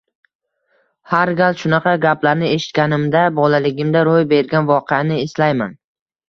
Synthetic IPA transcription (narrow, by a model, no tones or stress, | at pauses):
haɾɡʲalʃʊnɑqʰɑɡʲaplaɾnɪe̞ʃɪ̥t̪̚kʲanɪmd̪abɒlalɪɡʲɪmd̪aɾojbe̞ɾɡʲanvɒqʰeanɪɪslajman